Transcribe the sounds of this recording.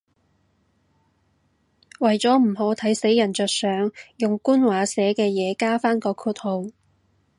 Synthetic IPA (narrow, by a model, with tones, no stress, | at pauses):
wɐ˨˩jt͡sɔː˨˥m̩˨˩ɦɔː˨˥t̪ʰɐ˨˥jse˨˥jɐ˨˩nt͡sœː˨k̚sœː˨˧ŋjʊ˨ŋkuː˥nwaː˨˧sɛː˨˥kɛː˧jɛː˨˧kaː˥faː˥nkɔː˧kʰuː˧t̚ho˨˧w